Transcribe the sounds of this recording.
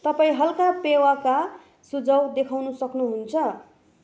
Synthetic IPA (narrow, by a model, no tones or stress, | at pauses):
t̪ʌpaĩɦʌlkapewaka | sud͡zʌwd̪ekʰawnusʌknuɦunt͡sʰʌ